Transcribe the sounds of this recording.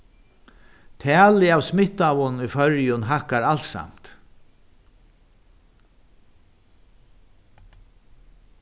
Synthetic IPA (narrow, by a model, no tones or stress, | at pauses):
t̪ʰɛːlɪaːwsmɪht̪awʊnifœɾjʊnɦakaɾalsa̰m̥t̪